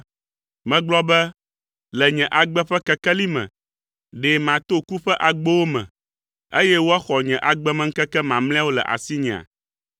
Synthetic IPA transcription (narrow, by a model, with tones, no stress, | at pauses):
mɛ̃˨ɡ͡blɔ˦bɛ˦ | lɛ˨ɲɛ̃˨ʔa˨ɡ͡bɛ˦ɸɛ˦kɛ˦kɛ˦li˦mɛ̰̃˨ | ɖe˨mã˨t̪o˦ku˦ɸɛ˦ʔa˨ɡ͡bo˦wo˦mɛ̰̃˨ | e˦jɛ˦wo˦a˦xɔ˨ɲɛ̃˨ʔa˨ɡ͡bɛ˦mɛ̃˦ŋ̩˦kɛ˦kɛ˦mã˨ml̃ɛ̃˦a˦wo˦lɛ̰˨ʔa̰˨si˦ɲɛ̃˨a̰˨